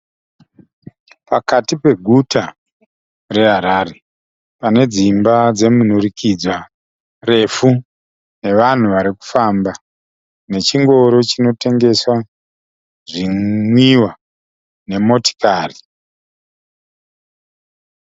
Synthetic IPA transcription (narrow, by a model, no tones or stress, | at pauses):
pakatipe̞ɡʱuta | re̞ɦaɾaːre | pane̞d͡zimbad͡ze̞munurikid͡zwa | re̞fu | ne̞ʋan̤uʋaɾiku̥famba | ne̞t͡ʃiŋɡo̞ɾo̞t͡ʃino̞te̞ŋɡe̞swa | ʐimwiwa | ne̞mo̞ti̥kaːri